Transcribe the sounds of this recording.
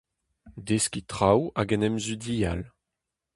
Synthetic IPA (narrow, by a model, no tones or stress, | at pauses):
d̪eskʲit̪ʁawaɡɛnɛmzydijal